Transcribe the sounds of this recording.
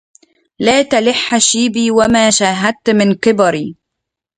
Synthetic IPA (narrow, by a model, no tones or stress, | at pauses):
laːt̪alɪħːaʃiːbiːwamaːʃaːɦad̪̚t̪mɪnkɪbɑɾiː